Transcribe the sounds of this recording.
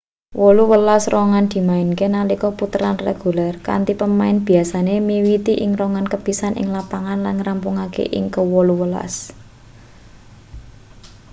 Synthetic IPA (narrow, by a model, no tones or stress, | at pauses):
wɔluwəlasrɔŋand̪̥i̤maɪnkenalikɔput̪əɾanrḛɡ̥ṳlɛrka̰nt̪ipəmaɪnb̥i̤asanemiwit̪iʔɪŋrɔŋankəb̥i̤sanʔɪ̰ŋlapaŋanlanŋrampuŋakḛʔɪ̰ŋkəwɔluwəla̰s